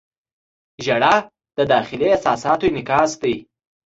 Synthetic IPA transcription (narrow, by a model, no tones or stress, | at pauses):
ʒaɽa | d̪̥əd̪ɑxɪleasɑsɑt̪oenɪkɑsd̪ij